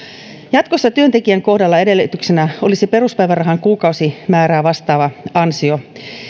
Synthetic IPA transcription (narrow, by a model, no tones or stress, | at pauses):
jɑt̪kosːɑt̪yønt̪ekiæŋko̞hdɑlːɑedelːyt̪yksenæolisepe̞ruspæiʋærɑɦɑŋkuːkɑusimæːɾæːʋɑst̪ɑːʋɑɑnsio